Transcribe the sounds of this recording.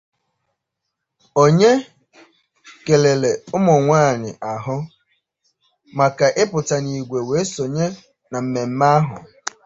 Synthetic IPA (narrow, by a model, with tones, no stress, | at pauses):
o˦ɲe˦ | ke˨le˨le˨ʊ˦mʊ˨ŋʷaː˦˨ɲɪ̰˨ʔa˨ɦʊ˦ | ma˨ka˨ʔɪ˦pʊ˨ta˨ni˨ɡʷe˨we˨˦so˨ɲe˦ | na˨m̩˨me˨m̩˦ma˦ɦʊ̰˨